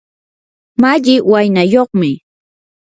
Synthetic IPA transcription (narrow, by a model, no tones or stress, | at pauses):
maʎɪwajnajoχmɪ